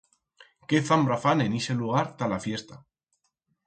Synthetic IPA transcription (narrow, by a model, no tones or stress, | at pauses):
ke̞θambɾafane̞nise̞luɣ̞aɾt̪alafje̞st̪a